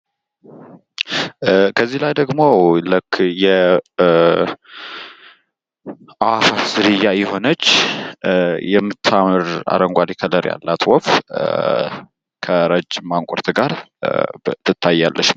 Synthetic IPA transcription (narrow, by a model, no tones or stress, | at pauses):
kʰəzːihlajd̪əɡmo̞lɨkʰːjɛ | ʔafaz̥ɨɾɨjːajɛho̞nət͡ʃː | jɛmːɨt̪ʰːamɨɾa̰ɾəŋɡʷalikʰələɾja̰lːat̪ʰwɔf | kʰəɾəd͡ʒːɪmaŋkʷʼɔɾt̪ʰɡaɾ | t̪ʰɨt̪ʰːajːalːəʃm